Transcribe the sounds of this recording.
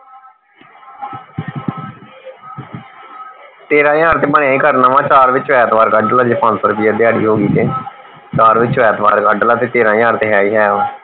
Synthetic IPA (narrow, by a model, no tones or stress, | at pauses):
t̪eːɾãːjaːɾt̪eːbəɳ̃jãːiːkəɾnãːʋãːt͡ʃaːɾʋɪt͡ʃɛːt̪ʋaːɾɡəɖəlaːd͡ʒeːpʰãːnpəɾpiːaːd̪jaːɽḭːɦoːɡiːt̪eː | t͡ʃaːɾʋɪt͡ʃɛːt̪ʋa̰ːɾɡəɖəlaːt̪eːt̪eːɾãːjaːɾt̪eːɦaːiːɦɛːoː